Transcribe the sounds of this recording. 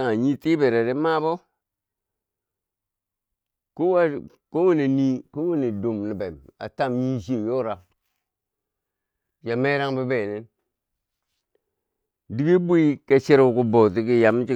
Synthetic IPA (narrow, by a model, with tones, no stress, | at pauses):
a˦˨ɲi˦ti˦be˨ɾe˨ɾe˦ma˦bo˦ | ku˦wa˦ | ko˦wu˦ne˨ni˦ko˦wu˦ne˨do˨mli˨be˨ma̰˨ta˦˨mji˦ʃ̬i˦e˨jo˦ɾa˨ | ja˨me˦ɾa˦ŋbi˦be˨ne˦n | di˦ɡe˦bu˦i˦ke˦si˦ɾku˦bo˨ti˦ki˦ja˨m˦t͡ʃi˦